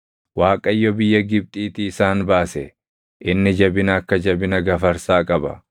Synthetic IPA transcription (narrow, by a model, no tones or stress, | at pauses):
waːkʼɐjːɔbɪjːɐɡɪb̚t̪ʼiːt̪ɪɪsaːnbaːsɛ | ʔɪnːɪd͡ʒɐbɪnɐːkːɐd͡ʒɐbɪnɐɡɐfɐɾsaːkʼɐbɐ